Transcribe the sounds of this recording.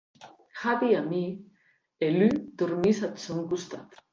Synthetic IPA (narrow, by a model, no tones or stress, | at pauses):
xaβiami | elyt̪uɾmisat̪soŋkust̪at̪